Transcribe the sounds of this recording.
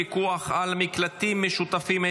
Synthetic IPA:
ikuaχalmiklat̪imːeʃut̪afime

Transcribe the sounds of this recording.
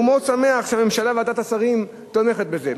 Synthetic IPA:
umosame̞aχʃeame̞mʃalaveat̪at̪asaʁim | t̪ome̞χet̪̚be̞ze

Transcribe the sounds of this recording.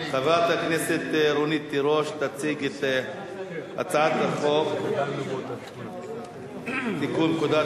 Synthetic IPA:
χavat̪akneset̪eɾonit̪ːiɾoʃt̪at͡siɡet̪ | a̰t͡saʕat̪ɾeχov | t̪ikunkud̪a

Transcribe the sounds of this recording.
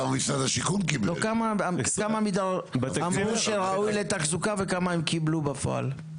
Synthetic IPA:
amamisʁad̪aʃikunkiblokamakamamid̪aʁamʁuʃeʁaujlet̪aχzukavekamaemkiblubafo̰a̰l

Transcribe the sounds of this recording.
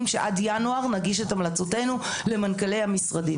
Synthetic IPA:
mʃeʔa̰djanuaʁnaɡiʃetamlat͡so̞te̞nu | le̞mankale̞jhamisʁadi

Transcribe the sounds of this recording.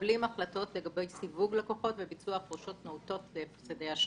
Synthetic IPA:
limaχlato̞tleɡabe̞jsivuɡleko̞χo̞tvebit͡suapʁuʃo̞tnouto̞tlefsedejaʃ

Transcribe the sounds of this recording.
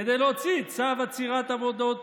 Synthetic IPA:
ed̪ejlot͡sit͡savat͡siʁat̪avod̪ot̪

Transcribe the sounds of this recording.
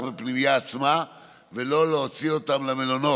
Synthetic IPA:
bepnimijaːt͡sma | ve̞lo̞leot͡sio̞t̪amlamelono̞

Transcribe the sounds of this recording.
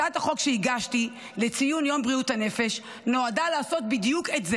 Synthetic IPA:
athaχo̞kʃeiɡaʃti | le̞t͡sijunjo̞mbʁiuthane̞fe̞ʃ | no̞adalaːso̞t̚bidjuketze

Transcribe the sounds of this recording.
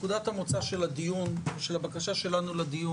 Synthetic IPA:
kud̪at̪hamot͡saʃe̞lad̪ijuneʃelabakaʃaʃe̞lanulad̪iju

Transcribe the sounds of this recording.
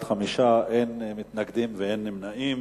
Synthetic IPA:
t̪χamiʃaʔejnmit̪naɡd̪imveenːimnaʔim

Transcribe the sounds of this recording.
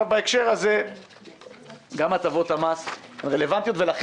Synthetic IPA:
vbaekʃe̞ʁhaze | ɡamat͡savo̞t̪hamashenʁe̞le̞vant̪jo̞t̪velaχ

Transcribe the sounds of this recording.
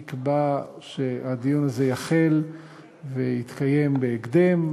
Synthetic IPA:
kbaʃead̪ijunaze̞jaχe̞l | vejit̪kaje̞mbeːɡd̪e̞m

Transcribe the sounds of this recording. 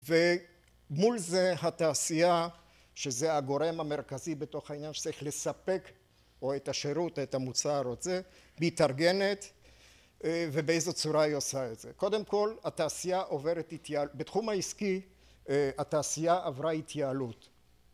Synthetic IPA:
ve | mulzeɦat̪aːsia | ʃezeaɡo̞ɾe̞mame̞ʁkazibet̪o̞χainjanʃe̥t͡saʁiχle̞sape̞k | oet̪aʃeɾutetamut͡saɾetze | bit̪aʁɡe̞net̪ | vebeejzet͡suɾaiosaetz̥eko̞d̪emko̞lat̪aːsijaʔove̞ʁetit̪jabetχumaiski | ataːsijaʔavʁait̪ʰjaːlut̪

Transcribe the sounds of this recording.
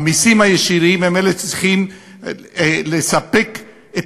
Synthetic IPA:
misimhajeʃiʁimemelet͡sʁiχim | lesape̞k | e

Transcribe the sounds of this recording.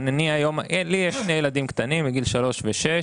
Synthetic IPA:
neniajo̞mʔelijeʃːnejelad̪imkt̪animbiɡilʃalo̞ʃveʃe

